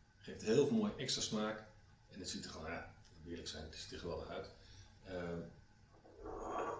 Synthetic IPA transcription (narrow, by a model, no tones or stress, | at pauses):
χeftɦɪːlˠvəlˠmoːjəʔɛkstrasmaːk | ɛnətsitə̥χonaːnʋɪələksɛjnəsi̥təχəɛlˠəœɥt | ə